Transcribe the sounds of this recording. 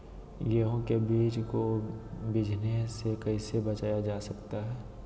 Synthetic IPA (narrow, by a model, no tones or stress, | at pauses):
jeɦõkebiːt͡ʃkobɪd͡ʒʱnesekɐɪsebɐt͡ʃaːjad͡ʒaːsɐkt̪aɦɛː